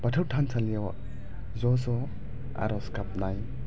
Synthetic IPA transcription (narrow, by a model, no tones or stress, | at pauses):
batʰawtʰansʰalijaw | zɔzɔ | a̰ɾɔskap̚naj